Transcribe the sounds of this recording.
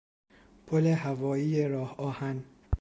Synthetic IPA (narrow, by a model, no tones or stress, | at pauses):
pʰolehævɒːjiːjeɾɒːhɒːhæn